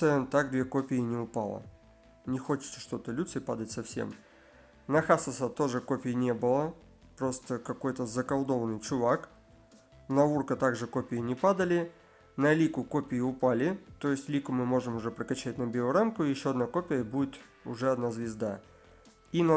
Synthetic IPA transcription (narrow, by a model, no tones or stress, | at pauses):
sɨət̪aɡd̪vʲeko̞pʲɪɪnʲɪʊpalˠə̰ | nʲɪxo̞t͡ɕɪ̥t̪sə̥ʂt̪o̞t̪əlʲut̪səpa̰d̪ətʲsɐfsʲḛm | nɐxasɐsat̪o̞ʐɨko̞pʲɪjɪnʲe̞bɨlˠə | pɾo̞st̪əkɐko̞jt̪əzəkɐlˠd̪o̞vənːɨjt͡ɕʊvak | nɐurkət̪aɡʐɨko̞pʲɪjɪnʲɪpad̪əlʲɪ | nɐlʲikʊkopʲɪjɪʊpalʲɪt̪o̞jɪsʲtʲlʲikʊmɨmo̞ʐɨmʊʐɛpɾəkɐt͡ɕːætʲnɐbʲeʊɾamkʊjɪɕːo̞ɐd̪nako̞pʲɪjəbudʲɪt̪ | ʊ̰ʐɛɐd̪nazvʲɪzd̪a | in